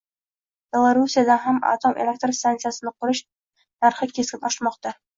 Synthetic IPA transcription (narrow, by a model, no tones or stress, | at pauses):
b̥ʲelˠaɾusʲijad̪ɑɦæma̰t̪omʔḛlʲek̚t̪rst̪ant̪sɨjasɤnɑqɵɾɘɕ | nɑɾχɤkeskɘnɒʃmɑqt̪ɑ